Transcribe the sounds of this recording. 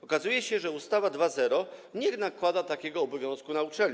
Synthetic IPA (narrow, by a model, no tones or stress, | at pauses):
ɔkazujɛɕɛʐɛust̪avad̪vazɛɾɔɲɛnakwad̪at̪akʲɛɡɔːbɔvʲjɔ̃skunaut͡ʂɛlʲɲ